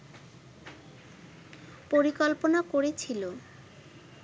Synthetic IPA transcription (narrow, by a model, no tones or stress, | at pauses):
poɾikɔlponakoɾet͡ɕʰilo